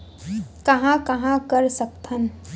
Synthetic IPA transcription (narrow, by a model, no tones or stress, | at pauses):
kɐɦãkɐɦãkəɾsək̚t̪ʰən